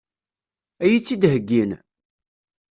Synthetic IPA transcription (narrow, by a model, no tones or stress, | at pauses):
æjit͡sːid̪ɦəɡːin